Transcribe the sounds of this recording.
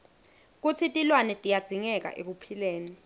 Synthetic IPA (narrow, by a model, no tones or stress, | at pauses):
k̬ut͡sʰitʼilwanɛtʼijad̥z̥ʱiŋɛk̬ʼa̰ʔḛk̬upʰileːni